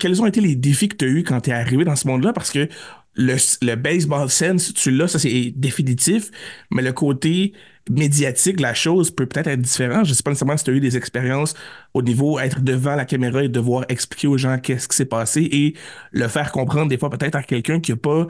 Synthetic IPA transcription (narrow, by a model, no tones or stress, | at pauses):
kʲɛlzɔ̃et̪eled̪efikə̥t̪yaykɑ̃t̪yɛaʁived̪ɑ̃səmɔ̃d̪lapaʁsə̥kə | ləsləbɛs̬bɑlsɛnst͡sylʌsʌsɛd̪efinit̪ɪfmɛləkʰoːt̪e | med͡zijat̪ɪklaʃɔzpøpø̥t̪ɛːt̪ɛt̪χd̪ifeʁɑ̃t̪ʒəsɛ̥panesʁmãsi̥t̪yayd̪ezɛkspeʁjɑ̃ːsonivoɛːt̪χəd̪əvɑ̃lakameʁɑed̪əvwaːʁɛkspli̥kʲeoʒɑ̃kʲɛsə̥kʲi̥sɛpaːseʔe | ləfɛːʁkɔ̃pχɑ̃d̪ʁd̪efwapøt̪ɛːt̪χakʲɛlkʲœ̃kʲiəpa